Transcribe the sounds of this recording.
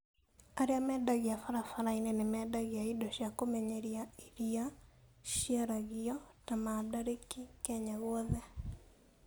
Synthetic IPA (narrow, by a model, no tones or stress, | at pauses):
aɾeamɛdaɣiafaɾafaɾainɛnemɛdaɣiaidɔʃjakomɛɲɛɾiaiɾiaʃiaɾaɣiɔtamadaɾekikɛɲaɣɔðɛ